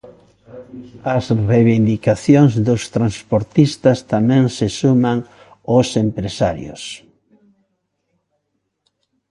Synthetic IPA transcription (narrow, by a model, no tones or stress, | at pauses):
ɐsreβind̪ikaθjoŋzðʊst̪ɾanspoɾt̪ist̪ɐst̪amɛ̃ŋsesumaŋ | osempɾesaɾjo̰s